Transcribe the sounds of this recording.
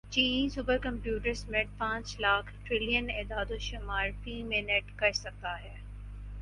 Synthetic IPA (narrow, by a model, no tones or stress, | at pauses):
t͡ɕĩːsʊbəɾkɐ̃mpjuːʈəɾsmeʈ̚pãːt͡ʃlaːkʰʈɾɪlijəneːd̪aːd̪oʃɪmaːɾpĩːmẽneʈkɐɾsɐk̚t̪aɦɛː